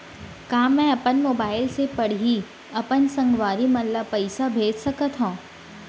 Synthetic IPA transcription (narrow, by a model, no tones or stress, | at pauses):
kãːmːɛ̃ɐpənmoːbaːɪlsepɐɽɦi | ɐpənsɐ̃ŋɡʋaːɾimɐlːapɐɪsabʱeːd͡ʒsɐkət̪ɦõː